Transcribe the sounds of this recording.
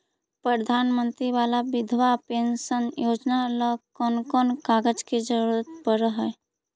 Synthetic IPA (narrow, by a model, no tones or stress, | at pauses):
pɾəd̪ʱanmənt̪ɾiʋalabid̪ʱʋapensənjod͡ʒnaləkɔnkɔnkaɡəd͡ʒked͡ʒəɾuɾət̪̚pəɾəɦə